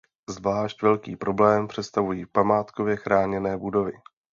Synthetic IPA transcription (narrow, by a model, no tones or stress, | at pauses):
zvlaːʃcvɛlkiːpɾo̞blɛːmpr̝̥ɛt̪st̪avujiːpamaːt̪kovjɛxɾaːɲɛnɛːbudo̞vɪ